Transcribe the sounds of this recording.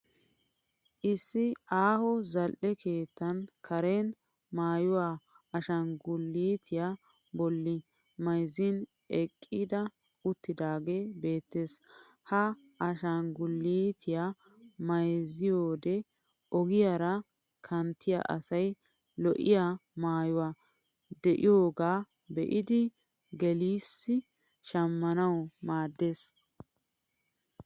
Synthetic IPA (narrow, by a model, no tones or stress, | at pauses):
ʔɪsːɪʔaːhɔzɐlʔɛkʰeːt̪ːɐnkʰɐɾɛn | maːjʊwaː | ɐʃɐnɡʊlːiːt̪ʰɪja | bɔlːɪ | mɐjzɪn | ɛkʼːid̪ɐ | ʊt̪ːɪd̪aːɡe̞ːbe̞ːt̪ːeːs | hɐ | ʔɐʃɐnɡʊlːiːt̪ʰɪja | mɐjzɪjo̞ːd̪ɛ | ɔɡɪjaɾɐ | kʰɐnt̪ʰːɪja̰ʔɐ̰sɐj | lɔʔɪjamaːjɔwaː | d̪ɛʔɪjo̞ːɡaː | bɛʔɪd̪ɪ | ɡɛliːsːɪ | ʃɐmːɐnɐwmaːd̪ːeːs